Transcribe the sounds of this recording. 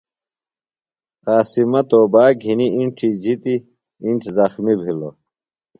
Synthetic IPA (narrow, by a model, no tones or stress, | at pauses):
qaːsimɐt̪oːbaːɡʱiniiɳʈʰid͡ʑit̪i | iɳʈʰzɐxmibʱilo